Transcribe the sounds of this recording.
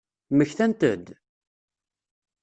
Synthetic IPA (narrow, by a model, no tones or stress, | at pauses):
məçθænt̪ə̰d̪